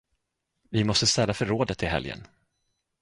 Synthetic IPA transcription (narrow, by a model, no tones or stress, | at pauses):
vɪmɔst̪əst̪ɛlːafœɾːoːd̪ət̪ɪɦɛ̰ljə̰n